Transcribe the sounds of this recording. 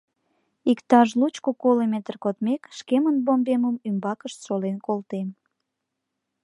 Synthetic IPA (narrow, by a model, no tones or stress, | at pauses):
ikt̪ɑʒlut͡ɕkokolemet̪ərkot̪mekʃkemənbombeməmymbɑkəʃt̪ʃolenkolt̪em